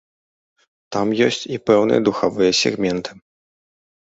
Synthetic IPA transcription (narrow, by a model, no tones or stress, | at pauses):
t̪amjɔsʲt͡sʲipɛwnɨ̰jɐd̪uxavɨjɐsʲɛ̰ɣmʲɛnt̪ʰɨ̥